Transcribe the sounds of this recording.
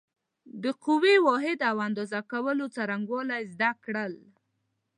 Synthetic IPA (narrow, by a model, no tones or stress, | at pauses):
d̪əqʊwewɔɦɪd̪awand̪ozakawəlot͡saɾaŋɡwɑlajzd̪akɽəl